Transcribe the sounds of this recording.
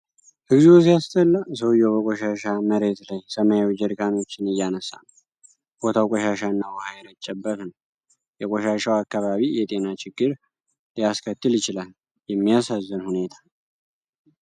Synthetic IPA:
hɨɡzs̬ijast̪ʰəlːas̬əwjːowbəkʼɔʃaʃaməɾe̞t̪lajsəmajwd͡ʒəɾɡano̞t͡ʃːɪnɨjːanəsːa̰nw | b̥ot̪ʰawkʼɔʃaʃanːawɔhajɛɾət͡ʃʼːɛbːət̪nəw | jɛkʼɔʃaʃawakːaβaβijɛt̪ʼe̞nat͡ʃɪɡːɨɾ | lijaskʰət̪ːɨljɪt͡ʃɪlal | jɛmːijasazːɨnhune̞t̪ʰḁ

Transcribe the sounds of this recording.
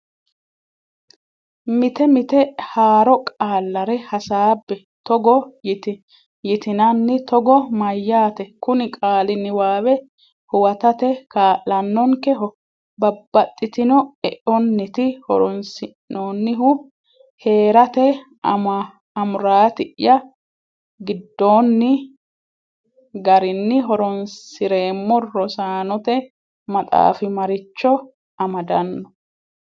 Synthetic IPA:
mɪt̪ɛmɪt̪ɛhaːɾɔkʼaːlːɐɾɛhɐsaːbːɛ | t̪ɔɡɔjɪt̪ɪ | jɪt̪ɪnɐnːɪt̪ɔɡɔmɐjːaːt̪ɛkʊnɪkʼaːlɪnːɪwaːwɛ | hʊwɐt̪ɐt̪ɛkaːʔːɐnːɔŋkɛɦɔ | bɐbːɐt̪ʼːɪt̪ɪnɔɛʔɔnːɪt̪ɪhɔ̰ɾɔnsɪnnoːnːɪɦʊ | he̞ːɾɐt̪ɛ | m | ɐmʊɾaːt̪ɪʔɪjɐ | ɡɪd̪ːo̞ːnːɪ | ɡɐɾɪnːɪɦɔɾɔnsɪɾe̞ːmːɔrɔsaːnɔt̪ɛ | mɐt̪ʼa̰ːfɪmɐɾɪt͡ʃːɔ | ɐmɐd̪ɐnːɔ

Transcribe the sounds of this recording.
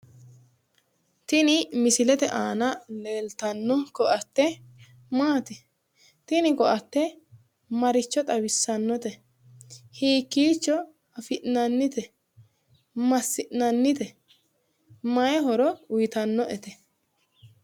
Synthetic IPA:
t̪ɪnɪmɪsɪlɛt̪ɛʔaːnɐleːlt̪ɐnːɔkɔʔɐt̪ːɛ | maːt̪ɪ | t̪ɪnɪkɔʔɐt̪ːɛ | mɐɾɪt͡ʃːɔt̪ʼɐwɪsːɐnːɔt̪ɛ | hiːkːiːt͡ʃːɔ | ɐfɪʔnɐnːɪt̪ɛ | mɐsːɪʔnɐnːɪt̪ɛ | mɐjɛɦɔɾɔʊjɪt̪ɐnːɔʔɛt̪ɛ

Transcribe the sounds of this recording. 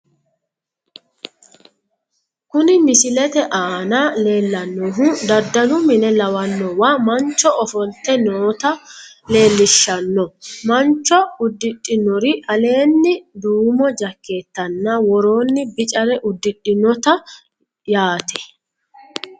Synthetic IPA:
kʊnɪmɪsɪlɛt̪ɛʔaːnale̞ːlːɐnːɔɦʊd̪ɐd̪ːɐlʊmɪnɛlɐwɐnːɔwamɐnt͡ʃːɔɔfɔlt̪ːɛnoːt̪ɐ | le̞ːlːɪʃːɐnːɔmɐnt͡ʃːɔʊd̪ːɪɗːɪnɔɾɪʔɐle̞ːnːɪd̪uːmɔd͡ʒɐkʰːe̞ːt̪ːɐnːɐwɔɾo̞ːnːɪbɪt͡ʃʼɐɾɛʔʊd̪ːɪᶑːɪnɔt̪ɐ | jaːt̪ɛ̥

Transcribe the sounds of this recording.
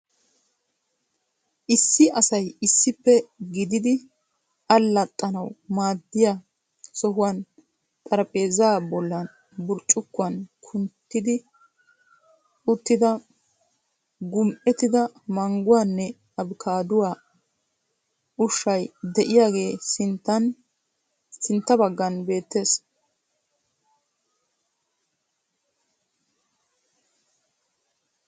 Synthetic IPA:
ʔɪsːɪɐsɐjɪsːɪpːɛɡɪd̪ɪd̪ɪ | ɐlːɐt̪ʼːɐnɐwmaːd̪ːɪja | sɔɦʊwan | t̪ʼɐɾɐpʼe̞ːzabɔlːɐn | bʊɾt͡ʃʼːʊkːʊɐnkʰʊnt̪ːɪd̪ɪ | ʊt̪ːɪd̪ɐ | ɡʊmʔɛt̪ɪd̪ɐmɐŋɡʊwaːnːɛ | ɐbkʰaːd̪ʊwaː | ʊʃːɐjd̪ɛʔɪjaːɡe̞ːsɪnt̪ːɐn | sɪnt̪ːɐbɐɡːɐnbe̞ːt̪ːe̞ːs

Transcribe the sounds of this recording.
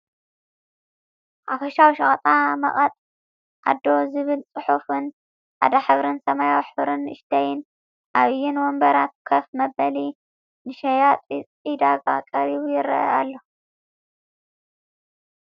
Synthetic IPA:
ʔafɐʃawʃɐχʼt̪ʼamɐ̰χʼɐt̪ʼ | ʔa̰d̪ːo̞zɨβɨlt͡sʼɨħufɨn | ħa̰d̪aħɨβɾɨnsɐmajawħɨβɾɨnɨ̰ʃt̪ʰɐjɪn | ʔaβɨjɪnwɔmbɐɾat̪̚kʰɐfmɐbɐli | nɨʃɐjat̪ʼ | id̪aɡa̰kʼɐɾiβujɪɾɐ̰ʔɐ̰alːo

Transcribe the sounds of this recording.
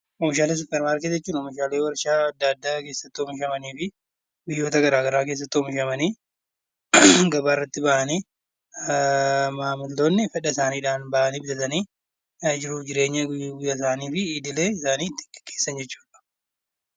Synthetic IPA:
ɔmɪʃaːleːs̬ʊpːɛɾmaːɾkɪt̪d͡ʒɛt͡ʃːuːnɔmɪʃaːleːwɐɾʃaːɐd̪ːaːd̪ːaːke̞ːsːɐt̪ːɪɔmɪʃɐmɐniːfɪ | bɪjːo̞ːt̪ɐɡɐɾaːɡɐɾaːke̞ːs̬ːɐt̪ːɪɔmɪʃɐmɐniː | ɡɐbaːɪrːɐt̪ːɪbɐʔɐniː | maːmɪld̪o̞ːnːɪfɛᶑɐsaːniːᶑaːnbɐʔɐniːbɪsɐt̪ɐniː | d͡ʒɪɾuːfd͡ʒɪɾe̞ːɲːɐɡʊjɡʊjːɐs̬aːniːfɪiːd̪ɪle̞ːɪsaːniːt̪ːɪ̥ɡɛ̥kːeːsːɐnd͡ʒɛt͡ʃːu̥ːᶑɐ̥

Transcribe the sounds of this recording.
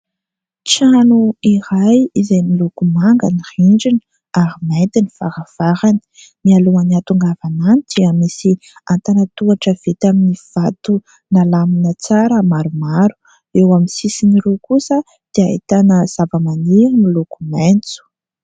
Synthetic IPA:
t͡sanuiɾajizajmilukumaŋɡəniriɳd͡ʒin | aɾimajnt̪iniv̥a̰ɾəv̥aɾani̥ | nialuaniat̪uŋɡavananid̪̥iəmisi | ant̪anət̪uaʈ͡ʂəv̥et̪aminiv̥at̪u | nalaminət͡saɾəmaɾumaɾu̥ | ewamisisiniɾokusə | d̪̥eait̪anəz̥avəmaniɾimilukument͡su̥

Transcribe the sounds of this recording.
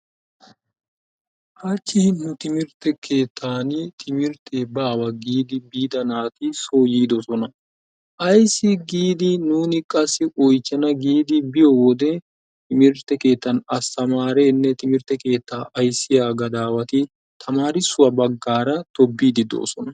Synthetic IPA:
ʔɐt͡ʃːɪnʊt̪ɪmɪɾt̪ːɛkʰe̞ːt̪ʰːaːnɪt̪ʰɪmɪɾt̪ʰeːbaːwɐɡiːd̪ɪbiːd̪ɐnaːt̪ɪsoːjiːd̪ɔsɔnɐ | ʔɐjsːɪɡiːd̪ɪnuːnɪkʼɐsːɪʔɔjt͡ʃːɐnɐɡiːd̪ɪbɪjɔwɔd̪ɛ | t̪ɪmɪɾt̪ːɛke̞ːt̪ːɐnɐst̪ɐmaːɾeːnːɛt̪ɪmɪɾt̪ɛke̞ːt̪ːaːʔɐjsːɪjaːɡɐd̪aːwɐt̪ɪ | t̪ʰɐmaːɾɪsːʊwɐbɐɡːaːɾɐt̪ɔbːiːd̪ɪd̪o̰ːsɔnɐ

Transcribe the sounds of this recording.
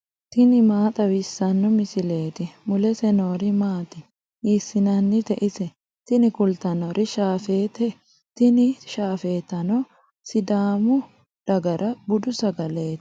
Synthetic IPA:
t̪ɪnɪmaːt̪ʼɐwɪsːɐnːɔmɪsɪle̞ːt̪ɪmʊlɛsɛno̞ːɾɪmaːt̪ɪ | iːsːɪnɐnːɪt̪ɛʔɪsɛ | t̪ɪnɪkʊlt̪ɐnɔɾʔɪʃaːfe̞ːt̪ɛ | t̪ɪnɪʃaːfe̞ːt̪ɐnɔ | sɪd̪aːmʊ | d̪̥ɐɡɐɾʔɐbʊd̪ʊsɐɡɐle̞ːt̪

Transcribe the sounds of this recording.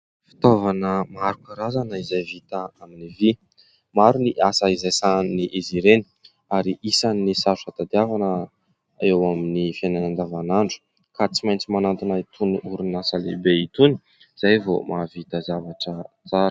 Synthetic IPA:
fi̥t̪ovanəmaɾukaɾazanəizajvit̪aaminivi | maɾuniʔasaizajsaniʔiziɾeni̥ | aɾiʔisanisasuat̪ad̪iavanə | aewaminifananand̪avanaɳɖ͡ʐu̥ | kat͡simajnt͡simanant̪inait̪ʰunuuɾunasəlebeit̪uni̥ | z̥ajvomavit̪əzavaʈ͡ʂə | t͡saɾə̥

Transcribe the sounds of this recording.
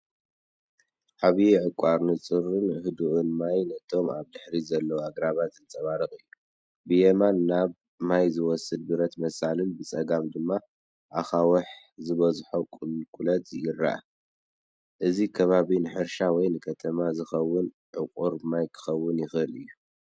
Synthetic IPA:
ʔaβiʕɨkʷʼaɾnɨt͡sʼɨɾɨnhɨd̪uʕʊnmajnɐt̪ʰo̞maβd̪ɨħɾizɐlːɐwaɡɾaβat̪ɨntʼɐβaɾɨχʼɨjːu | bɨjemanːaβ | majzɨwɔsːɨd̪̚bɨɾɐt̪mɐsalɨnbɨt͡sʼɐɡamd̪ɨmːa | ʔaxawɐħ | zɨβɐzħokʼɨlkʼulɐt̪jɪrːa̰ʔa̰ | ʔɨzikʰɐβaβinɨħɨɾʃawɔjnɨkʰɐt̪ʰɐmazɨxɐwːʊn | ʕɨkʼuɾmajkʰɨ̥xɐwːʊnjɪxɨlɨ̰jːu

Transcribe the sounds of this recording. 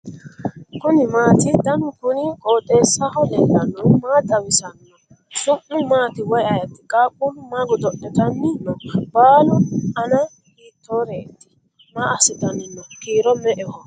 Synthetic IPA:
kʊnɪmaːt̪ɪd̪ɐnʊkʊnɪkʼoːt̪ʼːe̞ːsːahɔdɛlːɐnːɔmaːd̪ɐwɪsɐnːɔ | sʊmːʊmaːt̪ɪwɔjɐjɐt̪ːɪkʼaːkʼːunʊmaːɡɔd̪ɔʔɛt̪ɐnːɪnɔbaːlʊɐnɐ | hiːt̪ːoːɾeːt̪ːɪ̥ | maɐsɪd̪ɐnɪnːɔkiːɾɔmɛʔɛhɔ

